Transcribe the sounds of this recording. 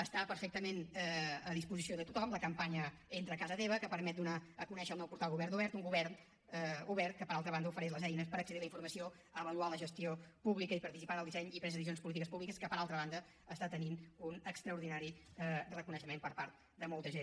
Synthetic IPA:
əst̪apəɾfɛk̚t̪əmenɛəðispuzisioðət̪ut̪ɔmləkəmpaɲə | ent̪ɾəkazət̪eβəkəpəɾmɛt̪̚d̪unaəkunɛʃəːlˠnɛwpuɾt̪alˠɣuβɛrnuβɛɾt̪uŋɡuβɛɾn | uβɛɾt̪̚kəpəɾalˠt̪ɾəβand̪ufəɾɛʃləzɛjnəspəɾəksəðilˠəiɱfuɾməsio | əβəlualəʒəst̪iopuβlikəipəɾt̪isipanəlˠd̪isɛɲipɾɛzəðiz̬ionspulit̪ikəspuβlikəskəpəɾalˠt̪ɾəβ̞and̪ə | əst̪at̪əninunəkst̪ɾəuɾðinaɾiɛrəkunəʃəmempəɾpaɾt̪̚ | d̪əmɔlˠt̪əʒen

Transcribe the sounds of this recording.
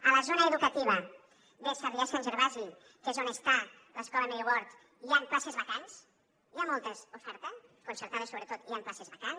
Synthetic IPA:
ələzonəeðukət̪iβ̞ə | besaβiasanʒeɾβazi | kezonest̪a | ləskɔləmejoβɔɾt̪ | iamplasezβəkans | iamɔlˠt̪əsufɛɾt̪əskunsəɾt̪aðəsoβɾət̪ot̪iamplasezβakan

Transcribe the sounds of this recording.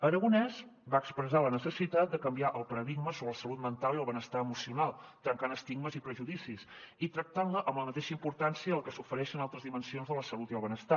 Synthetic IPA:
əɾəɣunɛzbaəkspɾəzalənəsəsit̪at̪̚d̪əkəmbiaʔəlˠpəɾəðiɡməsoβɾələsəlut̪̚mənt̪alˠiəlˠβənəst̪aəmusiunalˠt̪ɾəŋkanəst̪iɡməzipɾəʒuðisisit̪ɾək̚t̪anləʔəmləmət̪eʃəimpuɾt̪ansiəəlˠkəsufəɾɛʃənalˠt̪ɾəzðimənsionzðələsəlut̪iəlˠβənəst̪a

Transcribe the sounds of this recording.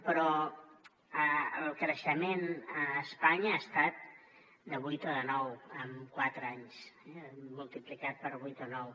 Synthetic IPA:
pɾɔ | əəlˠkɾəʃəmenəːspaɲəast̪at̪̚ | d̪əβujt̪əðənɔwəmkwat̪ɾəaɲsɛːulˠt̪iplikat̪̚pəɾβujt̪onɔw

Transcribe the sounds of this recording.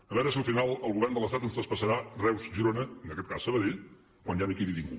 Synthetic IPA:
əβɛɾəsiəlˠfinalˠəlˠɣuβɛrnd̪əlˠəst̪at̪ənst̪ɾəspəsəɾarɛwzʒiɾonəənəkɛt̪̚kasːəβəðeʎ | kwanjanikiðiðiŋku

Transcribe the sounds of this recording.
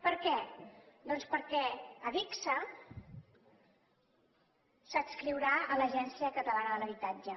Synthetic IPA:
pəɾkɛd̪ɔnspəɾkɛəβiksə | səskɾiwɾaələʒɛnsiəkət̪əlanəðələβit̪ad͡ʒə

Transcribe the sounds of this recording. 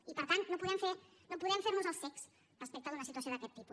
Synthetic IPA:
ipəɾt̪annopuðɛmfe | nopuðɛmfeɾnuzəlˠseks | rəspɛk̚t̪əðunəsit̪uəsjoðəkɛt̪ːipu

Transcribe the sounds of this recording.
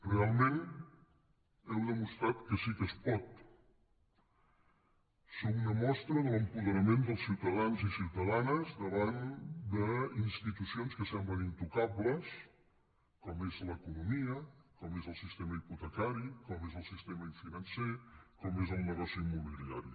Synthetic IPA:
realˠmen | ɛwðəmust̪ɾat̪kəsikəspɔt̪ | sokunəmɔst̪ɾəðələmpuðəɾəmend̪əlˠsiwt̪əðanzisiwt̪əðanəzðəβand̪əinst̪it̪usionskəsɛmblənint̪ukaβləs | kɔmezləkunumiəkɔmezəlˠsist̪eməiput̪əkaɾikɔmezəlˠsist̪eməiɱfinənsekɔmezəlˠnəɣɔsiimːuβilia̰ɾi

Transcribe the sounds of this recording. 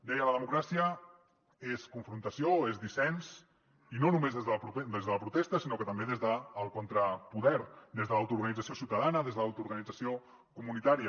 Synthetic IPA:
d̪ɛjələðəmukɾasiə | eskuɱfɾunt̪əsioezðisɛns | inonumezðezðəpɾud̪ezðələpɾut̪est̪əsinokət̪əmbeðezðəːlˠkont̪ɾəpuðɛɾd̪ezðəlawt̪uɾɣənid͡zəsiosiwt̪əðanəðezðəlawt̪uɾɣənid͡zəsio | kumunit̪aɾiə

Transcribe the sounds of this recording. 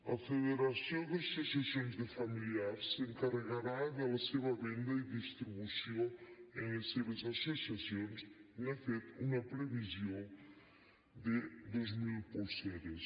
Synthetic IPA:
ɐfeðeɾɐsjõwd̪ɐsosɐsjõj̃zd̪ðɪfɐmiliaɾsseŋkɐreɣaɾaðɛlɐseβɐβẽnd̪ɐiðist̪ɾiβusjõẽj̃ɐseβɐzɐsosiɐsjõjsnefet̪uŋɐpɾevizjõ | d̪ed̪ozmilposeɾes

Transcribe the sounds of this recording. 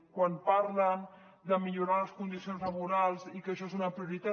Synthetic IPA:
kwanpaɾlən | d̪əmiʎuɾaləskund̪isionzləβuɾalˠzikəʃɔezunəpɾiuɾit̪a

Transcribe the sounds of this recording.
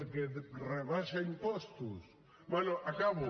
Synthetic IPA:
ɾkereβaʃaimpɔst̪ʊs | bwenoʔakaβʊ

